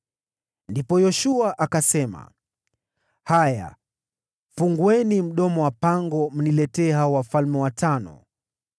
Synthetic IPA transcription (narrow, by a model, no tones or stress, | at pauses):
ndipɔjɔʃuaʔakasɛma̰ | haja̰ | fuŋɡwɛnim̩ɗɔmɔwapaŋɡɔm̩nilɛtɛːɦaɔwafalmɛwatʰanɔ̰